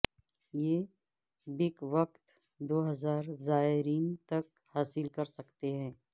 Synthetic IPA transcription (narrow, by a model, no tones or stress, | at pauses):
jeː | bɪkʋɐqt̪ | d̪oːɦɐzaːɾzaːɪɾiːnt̪ɐk | haːsɪlkɐɾsɐkt̪eɦɛ̃ː